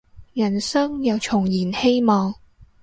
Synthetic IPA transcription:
jɐ˨˩nsɐ˥ŋjɐ˨˧wt͡ʃʰʊ˨˩ŋjiː˨˩nhe˥jmɔː˨ŋ

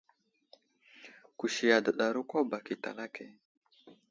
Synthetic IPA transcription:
ku˨ʃi˨ja˨də˨ɗa˨ɾu˦kʷo˦ba˨ki˨ta̰˨la˦kʰɛ˨

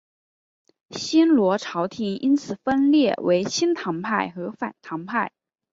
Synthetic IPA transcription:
ɕi˥nlwɔ˧˥ʈ͡ʂʰɑ˧˥ʊt̪ʰi˨˩i˥nt͡sʰɹ̩˨˩fə˥nljɛ˥˩wʔe˧˥ɪt͡ɕʰi˥nt̪ʰɑ˧˥ŋpʰa˥˩ɪxɤ˧˥fa̰˨˩nt̪ʰɑ˧˥ŋpʰa˥˩ɪ

